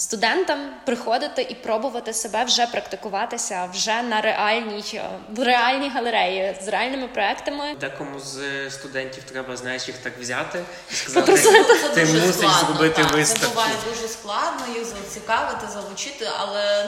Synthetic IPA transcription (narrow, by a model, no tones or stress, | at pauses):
st̪ʊd̪ɛnt̪ɐmpɾɪxɔd̪ɪt̪ɪʔipɾɔbʊʋɐt̪ɪsebɛwʒɛpɾɐkt̪ɪkʊʋɑt̪ɪsʲɐwʒɛnɐɾeʔɑlʲnʲijɾeɑlʲnʲijɦɐlˠeɾɛjizreɑlʲnɪmɪpɾɔɛkt̪ɐmɪd̪ɛkɔmuzst̪ʊd̪ɛnʲtʲiwt̪ɾɛbɐznɑjeʃjixt̪ɑkʋzʲat̪ɪ | zpɔpɾɔst̪ɐt̪ɪmust̪ˠzɾɔbɪt̪ɪʋɪst̪ɐʊʋɑjɪd̪uʒɛsklˠɑd̪nɔjixzɐt͡sʲikɑʋɪt̪ɪzɐʋˠʊt͡ʃɪt̪ɪɐ̰lˠɛ